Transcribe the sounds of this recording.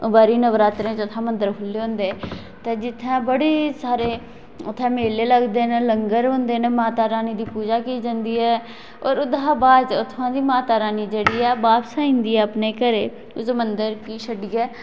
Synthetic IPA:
obaːɾiːnəʋɾaːt̪ɾẽːt͡ʃʊt̪ʰːãːmənd̪əɾkʰʊlːeːɦõːnd̪e | t̪eːd͡ʒɪt̪ʰːãːbəɽeːsaːɾeː | ʊt̪ʰːãːmeːleːləɡd̪eːneləŋɡəɾɦõːnd̪eːnemaːt̪aːɾaːniːd̪iːpuːd͡ʒaːkiːd͡ʒãnd̪iːɛː | oːɾʊd̪aːbaːd͡ʒʊt̪ʰːãːd̪iːmaːt̪aːɾaːniːd͡ʒeɽiːɛːbaːpsaːĩːnd̪iːɛːəpneːkəɾeː | ʊsmənd̪əɾkiːʃəɖiːɛː

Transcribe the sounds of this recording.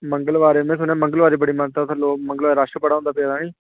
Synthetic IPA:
mə̃ŋɡəlʋaːɾeːmɛ̃ːsʊnjãːmə̃ŋɡəlʋaːɾeːbəɽiːmənt̪aːt̪ʰaloːmə̃ŋɡəlʋaːɾeɾaʃəpəɽaːõnd̪aːpeːd̪aːnĩː

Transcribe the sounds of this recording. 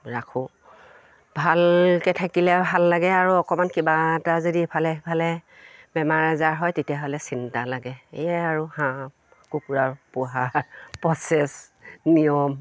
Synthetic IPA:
ɹakʰũ | bʱalkɛtʰakilɛbʱalːaɡɛaɹuɔkɔmankibatazodipʰalɛpʰalɛ | bɛmaɹɛzaɹɦɔjtetijaɦɔlɛsintalaɡɛejɛaɹuhãp | kukuɹaɹpʊɦaɹpɹɔsɛs | nijɔm

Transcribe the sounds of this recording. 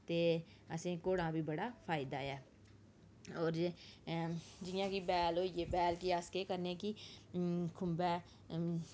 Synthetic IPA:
t̪eː | əsẽːkoːɽãːbʱiːbəɽaːpʰaːɪd̪aːɛː | oːɾ | d͡ʒɪjãːkiːbɛːloːjeːbɛːlkiaskekəɾneːkiː | kʰʊmbɛː

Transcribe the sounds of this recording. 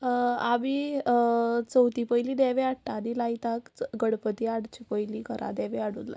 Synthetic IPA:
aʋi | t͡səwt̪ipəjliːd̪ɛʋeaɽʈad̪ilait̪akɡəɽpət̪iaɽt͡ɕipəjlikəɾʔa̰d̪ɛʋeaɽṵnlːa̰

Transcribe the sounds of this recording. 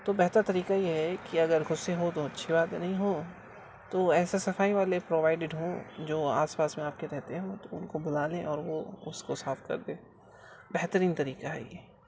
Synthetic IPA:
t̪oːbɛɦt̪əɾt̪ɐɾiːkajeɦɛkiɐɡəɾɣʊseɦot̪oɐtːʃʰibaːt̪nɐɦĩɦoː | t̪oɛːsesɐfaːiʋaːlepɾoːʋaːɪɖɪɖɦõd͡ʒoːaːspaːsmẽaːp̚keɾɛɦt̪eɦɛ̃õt̪oʊnkobʊlaːlẽɔːɾʋoʊskosaːfkɐ̰ɾd̪ẽː | bɛɦt̪əɾiːnt̪ɐɾiːkaɦɛ̰jɛ̰ː

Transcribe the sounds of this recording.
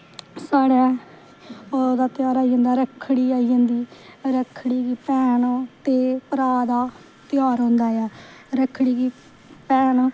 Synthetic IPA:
saːɽaː | d̪aːt̪ɪjaːɾaːiːə̃ːnd̪aːɾəkʰːɽiːaːiːãːnd̪iːɾəkʰːɽiːɡiːpɛːɳt̪eːpəɾaːd̪aː | t̪ɪjaːɾɦõːnd̪aːaːɾəkʰːɽiːɡiː | pɛːɳ

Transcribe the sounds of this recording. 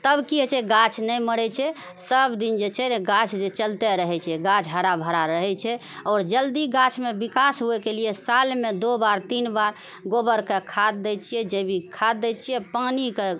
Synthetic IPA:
t̪əbkiɦet͡ʃʰɛɡat͡ʃʰnɛjməɽɛt͡ʃʰɛ | səbd̪ind͡ʒet͡ʃʰɛɡat͡ʃʰd͡ʒet͡ʃəlt̪ɛɾəɦɛt͡ʃʰɛɡat͡ʃʰɦəɾabʱəɾaɾəɦɛt͡ʃʰɛ | ɔːɾd͡ʒəld̪iɡat͡ʃʰmebikasɦuɛkeliesalmed̪obaɾt̪inbaɾ | ɡobəɾkekʰad̪ːɛt͡ʃʰijɛd͡ʒebʱikʰad̪ːɛt͡ʃʰijɛpanike

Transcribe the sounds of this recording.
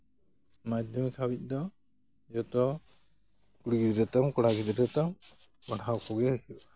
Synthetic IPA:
mad̪ɔmikʰawic̚ˀd̪ɔ | d͡ʒɔt̪ɔ | kuɽiɡid̪ɾɛt̪ɔmkɔɽaɡid̪ɾɛt̪ɔm | kɔɽʰawkʰɔɡɛɾhu

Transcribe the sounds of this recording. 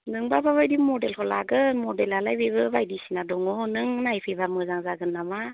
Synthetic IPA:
nɯŋbabaβajdimɔdelkʰɔlaɡɯmɔdelalajbibɯbajdisinadɔŋɔnɯŋnajpʰijbamɯzaŋzaɡɯnːama

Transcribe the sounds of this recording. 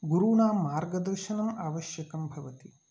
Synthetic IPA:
ɡuɾuːnaːmːaːɾɡɐd̪ɐɾʃɐnɐmaːʋɐʃjɐkɐmbʱɐʋɐt̪i

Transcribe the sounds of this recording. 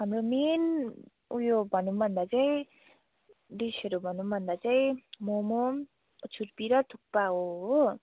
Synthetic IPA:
ʌmɾumen | ujobʱʌnumʌnd̪at͡saj | disʌɾubʱʌnumʌnd̪at͡saj̃momo | t͡sʰuɾpiɾʌt̪ʰuk̚paoo

